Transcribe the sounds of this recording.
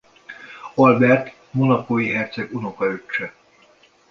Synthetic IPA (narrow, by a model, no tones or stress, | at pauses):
olbɛrt̪ | monɒkoːjiɦɛrt̪sɛɡuno̞kɒøt͡ʃːɛ